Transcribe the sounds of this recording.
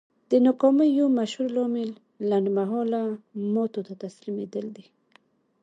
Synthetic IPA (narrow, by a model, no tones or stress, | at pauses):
d̪̥ənʊkɔməjomaʃhuɾlɔmɪlː | anɖmaɦɔlamɔt̪ot̪at̪aslimed̪əld̪i